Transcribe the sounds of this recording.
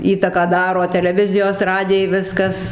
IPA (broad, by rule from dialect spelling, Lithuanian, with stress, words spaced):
ˈiːtɐkɑː ˈdɑːroː tʲɛlʲɛˈʋʲɪzʲɪjoːs ˈrɑːdʲɪjɛɪ ˈʋʲɪskɐs